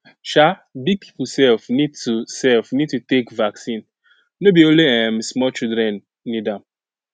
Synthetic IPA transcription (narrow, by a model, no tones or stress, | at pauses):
t͡ʃabiɡ̚pʰi̥pusɛlfnid̚tusɛlfnid̚tutekvaksĩn | nobioleem̩smɔt͡ʃildɾɛn | nidam̩